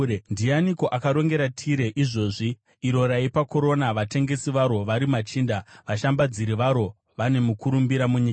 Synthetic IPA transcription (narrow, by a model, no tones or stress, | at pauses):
ndianiko̞ʔakaɾo̞ŋɡe̞ɾatʰiɾe̞ʔiʐo̞ːʐi | iɾo̞ɾaipako̞ɾo̞naʋate̞ŋɡe̞siʋaɾo̞ʋaɾimat͡ʃiːndaʋaʃambad͡ziɾiʋaɾo̞ | ʋane̞mukuɾumbiɾamuɲika